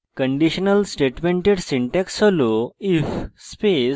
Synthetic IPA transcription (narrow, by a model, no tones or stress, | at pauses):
kəɳɖiɕənəlsʈeʈmeɳʈeɽsiɳʈɛksəloifspe